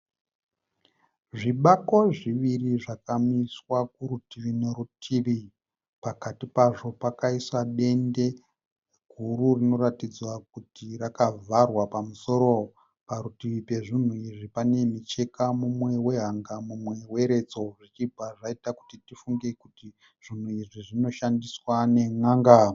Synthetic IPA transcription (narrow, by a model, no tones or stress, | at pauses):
ʐiɓako̞ʐiʋiriʐakamiswakuɾutiʋineɾutʰiʋi | pakatipaʐo̞pakaiswaɗe̞nde̞ | ɡʱuɾurino̞ɾatid͡zwak̚utiɾakavʱarwapamuso̞ɾo̞ | paɾutiʋipe̞ʐin̤uiʐipane̞mit͡ʃe̞kamumwe̞we̞ɦaŋɡamumwe̞we̞ɾe̞d͡zo̞ʐit͡ʃibʱaʐaitaku̥titifuŋɡe̞kuti | ʐ̥in̤uiʐiʐino̞ʃandiswane̞ŋaŋɡa